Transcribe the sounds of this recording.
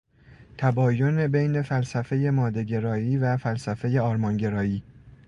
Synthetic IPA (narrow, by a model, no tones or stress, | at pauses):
t̪ʰæbɒːjone̞bejne̞fælsæfe̞je̞mɒːd̪eɟe̞ɾɒːiːvæfælsæfe̞je̞ɒːɾmɒnɟe̞ɾɒːiː